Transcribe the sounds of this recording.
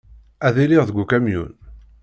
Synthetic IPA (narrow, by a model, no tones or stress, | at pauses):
æðiliʁðəɡʷukæmjṵn